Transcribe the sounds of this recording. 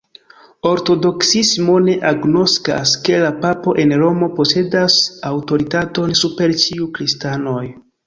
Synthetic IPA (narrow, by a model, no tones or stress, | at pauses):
o̞ɾto̞do̞ksismo̞ne̞ʔaɡno̞ska̰ske̞lapapo̞ʔe̞nɾo̞mo̞po̞se̞dasawto̞ɾitato̞nsupe̞ɾt͡ʃiukɾistano̞j